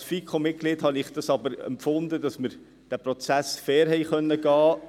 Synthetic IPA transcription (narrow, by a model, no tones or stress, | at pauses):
sfiːkʰomɪt̚ɡ̥liːdhɑnɪχd̥ɑsɑbəɾɛ̰mpfʊnd̪ədɑsməɾ | d̥æpɾɔt͡sæsfɛːɾɦɛjχœnːəɡ̥ɑː